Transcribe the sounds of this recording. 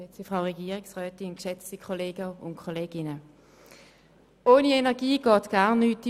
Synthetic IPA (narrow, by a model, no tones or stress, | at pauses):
ɛt͡sifʁaʊʁɛɡiːʁɪksʁœːtɪnnkʃɛt͡stikʰɔleːɡəʊ̰nkʰɔleːɡ̥ɪnə | ʔoːnienɛɐɡiːɡ̥ɔːtɡ̥aːɐnːyːt